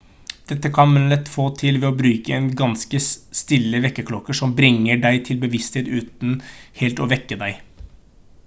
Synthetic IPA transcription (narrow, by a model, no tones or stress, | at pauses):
d̪̥ɛt̪ːəkʰɑnlɛt̪ːfoːt̪ʰɪlʋɛɔbɾʉːkəɛnɡɑnskəst̪ɪlːəʋɛkːəkʰlɔkːəʂɔmbɾɪŋːəɖæɪt̪ʰɪlbəʋɪst̪heːt̪ʉːt̪n̩hɛːlt̪ɔʋɛkːəd̪æɪ